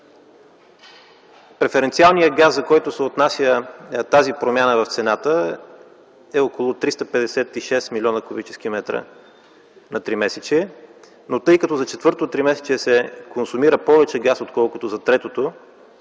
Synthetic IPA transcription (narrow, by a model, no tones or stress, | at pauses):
pɾɛfɛɾɛnt̪sialˠnijəɡaszɐkɔjt̪osɛot̪nasʲjət̪azipɾomʲjanəvɐft̪sɛnat̪ə | ɛokolˠot̪ɾist̪əpɛd̪ɛsɛt̪iʃɛsmilʲɔnəkobit͡ʃɛ̥skimɛt̪ɾə̰ | nɐt̪ɾimɛsɛt͡ʃiɛ | not̪ɤjkɐt̪ɔzɐt͡ʃɛt̪vɤɾt̪ot̪ɾimɛsɛ̥t͡ʃiɛsɛkonsʊmiɾəpɔvɛt͡ʃɛɡasot̪kɔlˠkʊt̪ozɐt̪ɾɛt̪ot̪o